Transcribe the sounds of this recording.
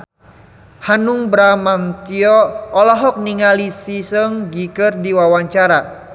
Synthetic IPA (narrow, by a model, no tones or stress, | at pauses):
hanuŋbɾamant̪iɔːlɔɦɔk̚niŋalisisəŋɡikərdiwawaɲt͡ʃaɾa